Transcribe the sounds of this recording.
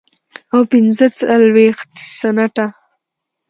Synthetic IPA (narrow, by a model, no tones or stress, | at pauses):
awpɪnzət͡salwext̪sanaʈa